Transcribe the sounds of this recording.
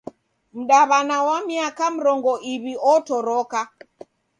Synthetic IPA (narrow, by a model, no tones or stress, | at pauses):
m̩ɗaβanawamiakam̩ɾɔŋɡɔʔiβiɔtɔɾɔka